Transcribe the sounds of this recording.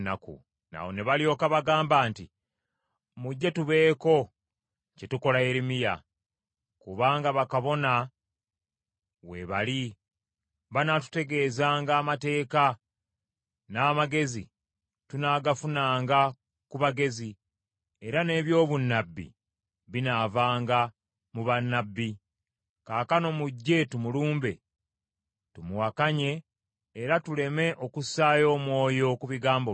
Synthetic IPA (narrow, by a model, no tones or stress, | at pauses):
nakṵ | na̰wo̞ne̞βaljo̞ːkaβaɡaːmbaːnti | muɟːe̞tuβe̞ːko̞ | cetuko̞lae̞ɾimija̰ | kuβaːŋɡaβakaβo̞na | we̞̰βali | βanatu̥te̞ɡe̞ːzaːŋɡaːmate̞ːka | naːmaɡe̞zḭ | tunaːɡafunaːŋɡa | kuβaɡe̞zi | e̞ɾane̞ːβjo̞ːβunːabːḭ | βinavaːŋɡa | muβanːabːi | kaːkano̞muɟːe̞tumuluːmbe̞̰ | tumuwakaɲe̞ː | ɾatule̞me̞ʔo̞kusaːjo̞ːmwo̞ːjo̞kuβiɡaːmbo